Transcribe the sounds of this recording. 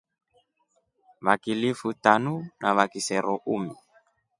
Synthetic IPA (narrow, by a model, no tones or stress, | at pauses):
βakilifutanunaβakisɛɾɔʔumi